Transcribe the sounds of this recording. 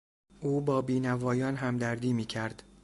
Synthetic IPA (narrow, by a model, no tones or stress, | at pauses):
ʔuːbɒːbiːnævɒːjɒːnɦæmd̪æɾd̪iːmiːcʰæɾd̪̥